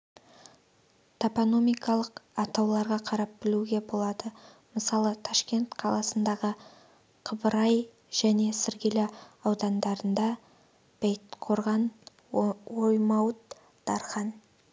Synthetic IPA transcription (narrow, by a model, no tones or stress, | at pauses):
t̪ʰapono̞mijkɑlˠəqɑt̪ɑwlˠɑɾʁɑqʰɑɾɑp̚bɪluɡʲe̞bo̞lˠɑd̪əməsɑlˠət̪ʰɑʃkʲe̞nt̪qʰɑlˠɑsənd̪ɑʁə | qʰəbəɾɑj | ʒ̥æne̞sɪɾɡʲelɪɑwd̪ɑnd̪ɑɾənd̪ɑ | b̥ejt̪qʰo̞ɾʁɑn | ojmɑwət̪ | d̪̥ɑɾχɑn